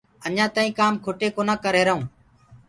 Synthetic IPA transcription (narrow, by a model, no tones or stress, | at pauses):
əɲãːt̪aːĩːkaːmkʰoːʈeːkoːnãːkəɾeːɾəɦũː